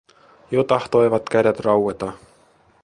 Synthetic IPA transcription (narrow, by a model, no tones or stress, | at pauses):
jot̪ɑht̪o̞jʋɑt̪kædæt̪rɑwwet̪ɑ